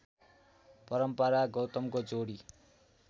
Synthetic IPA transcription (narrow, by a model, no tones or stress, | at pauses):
pʌɾʌmpʌɾaɡʌwt̪ʌmkod͡zoɽi